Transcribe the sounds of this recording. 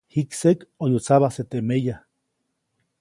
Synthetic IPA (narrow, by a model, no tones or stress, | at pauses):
hiksekojut͡saβahset̪emeja